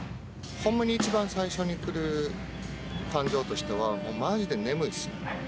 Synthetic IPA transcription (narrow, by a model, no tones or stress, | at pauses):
hõ̞mːaɲ̟iːt͡ɕibãɰ̃saiɕo̞ɲ̟ikɯ̟ɾɯ̟ | kãɲ̟d͡ʑo̞ːt̪o̞ɕi̥t̪e̞β̞amo̞ːmad͡ʑid̪e̞ne̞mɯ̟sɨ̥